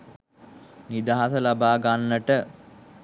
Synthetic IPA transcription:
nid̪aɦasəlabaːɡanːəʈə

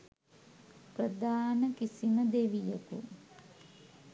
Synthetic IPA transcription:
prəd̪aːnəkisiməd̪eʋijəku

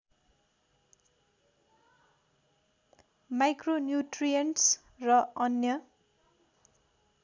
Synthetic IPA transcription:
majkronjuʈrijʌnʈs | rʌʌnjʌ

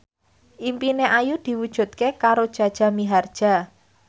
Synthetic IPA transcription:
ʔimpineʔajud̪̥i̤wud̥ʒ̥ṳt̪̚kekaɾod̥ʒ̥a̤d̥ʒ̥a̤miɦard̥ʒ̥a̤

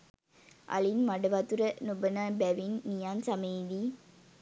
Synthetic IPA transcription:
ʔɐ̰ɭinmɐɽɐʋat̪uɾɐnubɐnaːbɛʋinːijaːnsɐmeːd̪i

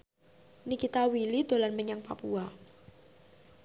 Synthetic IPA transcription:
nikit̪awilid̪̥o̤lanməɲaŋpa̰pua

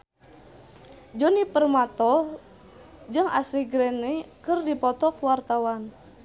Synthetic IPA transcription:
d͡ʒɔnipərmat̪ɔ | d͡ʒɨŋa̰siɡɾɛnekɨrdipɔt̪ɔkwart̪awan

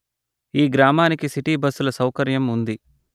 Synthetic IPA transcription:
iːɡɾaːmaːnikisiʈiːbɐsulɐsɐwkɐɾjɐmund̪i

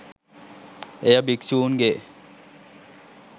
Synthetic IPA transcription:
ejɐbiksuːnɡe

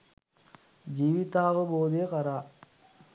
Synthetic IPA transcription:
d͡ʒiːʋit̪aːʋəboːd̪ejekɐɾaː

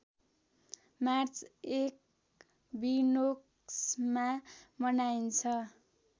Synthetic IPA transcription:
mart͡sek̚ | binok | smamʌnajnt͡sʰʌ

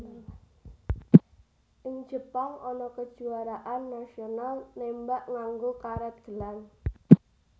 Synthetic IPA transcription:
ʔɪŋ̥d͡ʒ̥əpaŋɔnɔkəd̥ʒ̥uaɾaʔanːasionalnembaʔŋaŋɡokaɾɛt̪̚ɡ̥əlan

